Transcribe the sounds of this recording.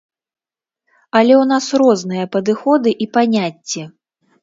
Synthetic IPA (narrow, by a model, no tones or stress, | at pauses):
ɐlʲɛwn̪asrɔznɨjɐpɐd̪ɨxɔd̪ɨʔipanʲat͡sʲːɛ